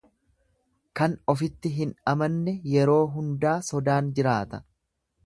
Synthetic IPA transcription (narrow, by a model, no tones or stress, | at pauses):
kɐnɔfɪt̪ːɪɦɪnɐmɐnːɛjɛɾo̞ːɦʊnd̪aːsɔd̪aːnd͡ʒɪɾaːt̪ɐ̥